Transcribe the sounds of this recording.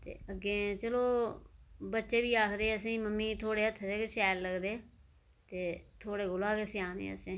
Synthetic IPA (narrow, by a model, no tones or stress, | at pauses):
t̪ḛːəɡːeːt͡ʃəloː | bətːʃeːbiːaːkʰd̪eːəsĩːməmːiːt̪ʰoːɽeːət̪ʰːd̪eːkeʃɛːlləɡd̪eː | t̪eːt̪ʰoːɽeːɡʊlaːkeːsɪãːnḛːə̰sĩː